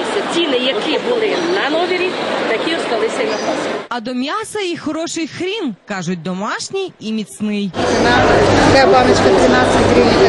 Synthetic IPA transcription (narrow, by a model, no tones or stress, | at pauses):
sʲɐtʲinɪjɐkɪbʊlˠɪnɐnɔɦʲiɾʲit̪ɐkʲiɔst̪ɐlˠɪsʲɐinɐpɔsɐd̪ɔmʲjɑsɐixɔɾɔʃɪjxɾʲinkɑʒʊt̚ʲd̪ɔmɑʃnʲijimʲit̪snɪjɪnakɛpɑmʲɐt͡ʃkɐt̪ɾɪnasʲɪtʲkɾʲinʲi